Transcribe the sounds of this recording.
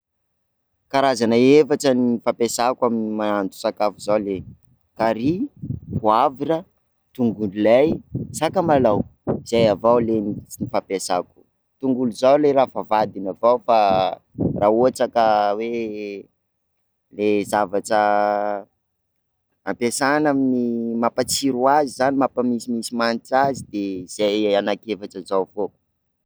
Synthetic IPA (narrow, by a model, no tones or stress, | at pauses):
kaɾazanaefaʈ͡ʂəniifapesakuaminimaant̪u̥sakafuzawle | kaɾipuavirə | t̪uŋɡunilajsakəmalawiz̥ajavawlennifapesaku̥ | t̪uŋɡuluzawleɾafavad̪inavawfa | rʔaːoat͡sakəwe | lezavaʈ͡ʂə | a̰pesanaminimapat͡siɾuazizanimapəmisimisimanʈ͡ʂazid̪ez̥ajanakefaʈ͡ʂəzawfo